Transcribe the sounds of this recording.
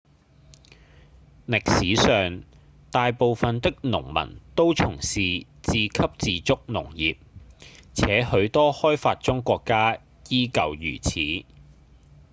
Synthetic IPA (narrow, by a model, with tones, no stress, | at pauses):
lɪ˨k̚siː˨˥sœː˨ŋ | t̪aː˨˧jpo˨wfɐ˨nt̪ɪ˥k̚nʊ̰˨˩ŋmɐ̰˨˩nt̪o˥wt͡sʰʊ˨˩ŋsiː˨ | t͡siː˨kʰɐ˥p̚t͡siː˨˧t͡sʊ˥k̚nʊ˨˩ŋjiː˨p̚t͡sʰɛː˨˥hɵ˨˧˥ɥt̪ɔː˥hɔː˥jfaː˧t̚t͡ʃʊ˥ŋkʷɔː˧kːaː˥ | jiː˥kɐ˨wjy̰ː˨˩t͡sʰiː˨˥